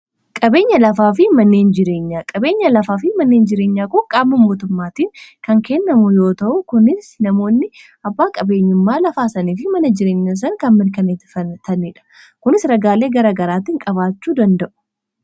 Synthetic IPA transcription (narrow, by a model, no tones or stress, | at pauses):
kʼɐbe̞ːɲːɐlɐfaːfɪmɐnːe̞ːnd͡ʒɪɾe̞ːɲːaːkʼɐbe̞ːɲːɐlɐfaːfɪmɐnːe̞ːnd͡ʒɪɾeːɲːaːkʊkʼːaːmːɐmoːt̪ʊmːaːt̪iːnkɐŋkɛnːɐmʊjo̞ːt̪ɐʔʊkʊnɪsnɐmo̞ːnːɪ | ɐbːaːkʼɐbe̞ːɲːʊmːaːlɐfaːsɐniːfɪmɐnɐd͡ʒɪɾe̞ːɲːɐs̬ɐŋkɐnmɪɾkɐneːt̪fɐt̪ɐnɪᶑɐ̥ | kʊnɪsɾɐɡaːle̞ːɡɐɾaːɡɐɾaːt̪ɪŋkʼɐβaːt͡ʃːuːd̪ɐnd̪ɐʔʊ̥